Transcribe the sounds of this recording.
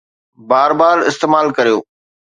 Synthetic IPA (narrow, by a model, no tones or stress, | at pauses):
baːɾbaːɾɪ̰st̪eːmaːlkɐɾijo̰ː